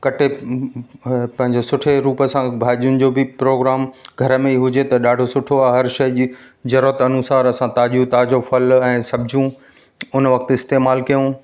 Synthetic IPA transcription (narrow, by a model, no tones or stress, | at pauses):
kɐʈʰe | pɐ̃ɦɪ̃ɲd͡ʑosʊʈʰeɾuːpəsãbʱaːʄiʊnɪ̆d͡ʑoːbɪpɾoːɡɾaːmɡʱɐɾəmẽiɦʊd͡ʑet̪ɐɗaːɖʱosʊʈʰoaːɦɐɾʃɐj | zɐɾɾət̪ɐnusaːɾɐsãt̪aːʄiũt̪aːd͡ʑofɐlɛ̃ːsɐbʱɪd͡ʑũ | ʊnʋɐk̚t̪ɪst̪eːmaːlkijũ